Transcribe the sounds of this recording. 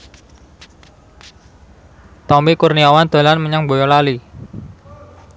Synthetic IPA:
t̪ɔmikurniawand̪̥a̤lanməɲaŋbojɔlali

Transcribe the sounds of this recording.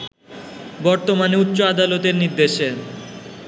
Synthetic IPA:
bɔɾt̪omaneut̪ːɕoad̪alot̪eɾniɾd̪eʃe

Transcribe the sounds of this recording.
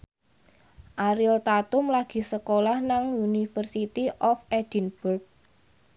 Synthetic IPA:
ʔaɾɪlt̪at̪ʊmlaɡ̥i̤səkolahnaŋunifərsit̪iʔɔfɛd̥i̤nb̥urk̚

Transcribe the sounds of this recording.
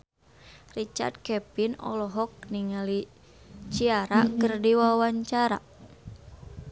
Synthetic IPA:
rit͡ʃa̰rd̪̚kɛpinɔ̰lɔɦɔk̚niŋali | t͡ʃiaɾakərdiwawaɲt͡ʃaɾa̰

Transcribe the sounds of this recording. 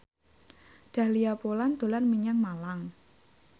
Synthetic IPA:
ɖ̪̥ä̤liapoland̪̥o̤lanmiɲaŋmalaŋ

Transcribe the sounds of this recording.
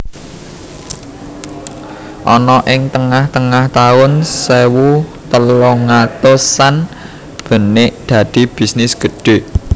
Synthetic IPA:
ʔɔnɔʔɪŋt̪əŋaht̪əŋaht̪aʊnsewut̪əlɔŋat̪osan | b̥ə̤neʔd̪̥ä̤d̪̥i̤b̥i̤snɪsɡ̥ə̤ɖ̥e̤

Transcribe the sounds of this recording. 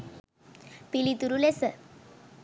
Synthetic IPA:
pilit̪uɾulesə

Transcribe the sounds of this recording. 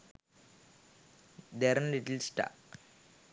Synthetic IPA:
d̪eɾənliʈlsʈa̰

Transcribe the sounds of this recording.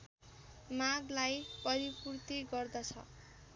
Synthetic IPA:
maɡlajpʌɾipurt̪iɡʌrd̪ʌt͡sʰʌ̰

